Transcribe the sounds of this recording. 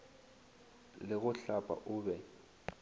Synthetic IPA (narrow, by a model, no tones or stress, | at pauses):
lɪɣʊɬapʼa̰ʔʊːbɛ